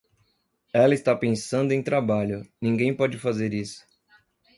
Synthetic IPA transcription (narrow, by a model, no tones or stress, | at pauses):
ɛlɐɪst̪apẽsɐ̃nd̪ʊẽj̃t̪ɾabaʎʊnĩŋɡẽj̃pɔd͡ʒɪfazeɾisʊ̥